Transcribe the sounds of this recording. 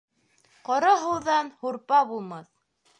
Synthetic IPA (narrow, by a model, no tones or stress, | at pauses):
qɤɾɑɦuw̪ðɑnhuɾpɑbulˠmɑθ